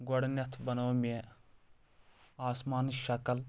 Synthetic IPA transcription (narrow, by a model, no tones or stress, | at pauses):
ɡɔɽnjɐt̪ʰbɐnoːmie | aːsmaːnʃɐkəl